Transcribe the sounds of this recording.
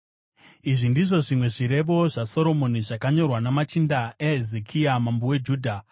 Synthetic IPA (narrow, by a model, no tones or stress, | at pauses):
iʐindiʐo̞ʐimwe̞ʐiɾe̞ʋo̞ʐaso̞ɾo̞mo̞niʐakaɲo̞rwanamat͡ʃindaeɦezekʰiamambowe̞d͡ʒuːdʱa